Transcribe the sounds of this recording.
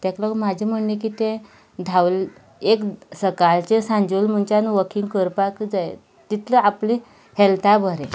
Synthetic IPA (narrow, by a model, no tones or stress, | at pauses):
t̪aklɔkmad͡ʑʱim̤əɳnek̬it̪ẽ | d̪ʱawl | eksəkalt͡ɕesãɲd͡ʑulm̤əɳt͡ɕanʋəkʰiŋɡkəɾpakd͡zaj | t̪it̪ʰləaplĩ | helt̪ʰabʱəɾẽ